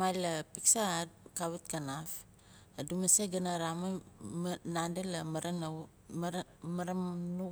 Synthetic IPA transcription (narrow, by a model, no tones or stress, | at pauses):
majlapiksakawit̚kanaf | adumaseɡanaɾama | nandelamaɾan | maɾanu